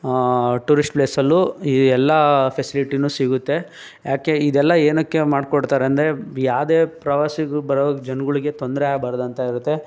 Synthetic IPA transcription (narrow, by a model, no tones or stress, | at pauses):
ʈuːɾisʈpleːsɐlːuiɛlːɐpʰesiliʈinuːsiɡut̪ːe̞ | jaːke̞id̪ɛlːɐeːnɐkːe̞maːɖkoɽt̪aːɾeɐnd̪ɐɾe̞jaːʋd̪eːpɾɐʋaːsiɡubɐɾɐʋɡd͡ʒɐnɡuɭiɡe̞t̪ond̪ɾeaːɡbaːɾɐd̪ɐnt̪ɐiɾut̪ːe̞